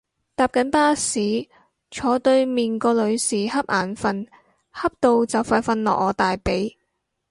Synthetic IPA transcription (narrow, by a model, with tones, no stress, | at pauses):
t̪aː˨˧p̚kɐ˨˥npaː˥siː˨˥ | t͡ʃʰɔː˨˥t̪ɵ˧ɥmiː˨nkɔː˧lɵ˨˧ɥsiː˨˩hɐ˥p̚ʔaː˨˩nfɐ˨˧n | hɐ˥p̚t̪o˨˧wt͡sɐ˨wfaː˧tfɐ˧nlɔ̰ː˨k̚ɔː˨˧t̪aː˨jpe˨˥j